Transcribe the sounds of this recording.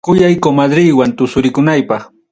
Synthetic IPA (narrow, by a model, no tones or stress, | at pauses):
kʊjajkomad̪ɾɪjwant̪ʊsʊɾɪkʊnajpɑχ